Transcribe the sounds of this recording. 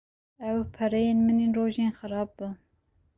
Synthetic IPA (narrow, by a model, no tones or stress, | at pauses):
ɛwpʰɛɾɛjeːnmɨneːnroːʒeːnxɨɾɑːb̚ːu